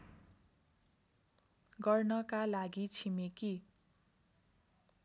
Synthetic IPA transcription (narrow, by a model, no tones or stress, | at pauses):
ɡʌrnʌkalaɡit͡sʰimeki